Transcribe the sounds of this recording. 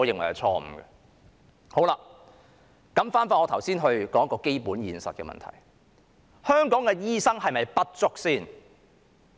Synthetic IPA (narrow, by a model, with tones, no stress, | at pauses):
ɔ˨˥jɪ˨ŋwɐ˨˩jɐ˨˧t͡sʰɔː˧m̩˨˩ɡɛ̰˧ | ho˨˥wlaː˧ | kɐ˨˥mfaː˥nfaː˧nŋɔː˨˧t̪ʰɐ˨˩wsiː˥nɦɵ˧ɥkɔː˨˥ŋɐ˥kːɔː˧ke˥jpuː˨˥njiː˨˧nsɐ˨t̚kɛ̰˧mɐ̰˨nt̪ʰɐ̰˨˩j | hœː˥ŋkɔː˨˥ŋkɛ˧jiː˥sɐ˥ŋɦɐ˨jmɐ˨jpɐ˥t̚t͡sʊ˥k̚siː˥˩n